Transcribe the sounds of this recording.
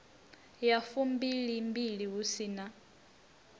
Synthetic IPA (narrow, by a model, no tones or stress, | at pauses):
jafumbiɺiːmbiɺiɦusina